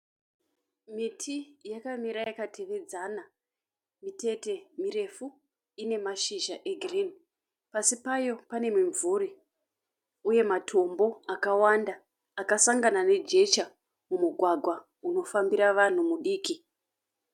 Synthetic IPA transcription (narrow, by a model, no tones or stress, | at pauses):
mitʰijakamiɾajakatʰe̞ʋe̞d͡zana | mite̞te̞miɾe̞fu | ine̞maʃiʒaʔe̞ɡʱrini | pasipajo̞pane̞miɱvuri | uje̞matʰo̞mbo̞akawandaː | kasaŋɡanane̞d͡ʒe̞t͡ʃa | mumuɡʱwaɡʱwa | uno̞fambiɾaʋan̤umuɗiːki